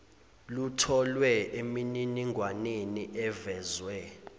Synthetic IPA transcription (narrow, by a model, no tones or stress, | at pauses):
lutʰɔlwɛemininiŋɡʱwaneniʔɛvɛːzwɛ